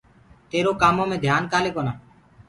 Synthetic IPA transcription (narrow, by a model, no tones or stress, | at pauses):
t̪eːɾoːkaːmõːmẽːd̪ʱjaːnkaːleːkoːnaː